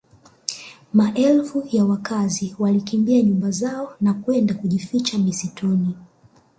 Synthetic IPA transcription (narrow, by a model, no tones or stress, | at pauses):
maʔɛlfujawakaziwalikimbiaɲumbazaɔnakwɛndakuʄifit͡ʃamisitʰɔni